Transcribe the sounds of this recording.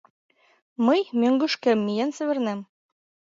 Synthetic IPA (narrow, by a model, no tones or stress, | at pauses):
mɤjmɘ̆ŋɡʉʃkɘ̆mːijænsɘ̆βɘ̆ɾnæm